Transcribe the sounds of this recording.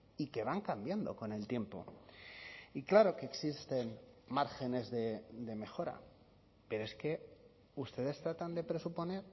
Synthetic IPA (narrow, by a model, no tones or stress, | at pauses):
ike̞β̞aŋkambjand̪o̞ko̞ne̞lt̪je̞mpo̞̰ | iklaɾo̞ke̞ːksist̪e̞nmaɾxe̞ne̞zðe̞d̪e̞me̞xo̞ɾa̰ | pe̞ɾoe̞ske̞ | ust̪e̞ðe̞st̪ɾat̪and̪e̞pɾe̞supo̞ne̞ɾ